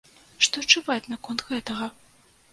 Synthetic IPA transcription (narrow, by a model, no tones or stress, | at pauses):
ʂt̪ɔt͡ʂɨvat͡sʲnɐkɔnt̪ɣɛt̪ɐɣɐ